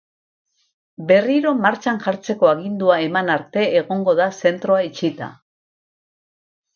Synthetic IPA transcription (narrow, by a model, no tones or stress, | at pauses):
be̞riɾo̞maɾt͡ʃanʝaɾt͡se̞ko̞aɣind̪uae̞manaɾt̪e̞ːɣo̞ŋɡo̞ðase̞nt̪ɾo̞ait͡ʃit̪a̰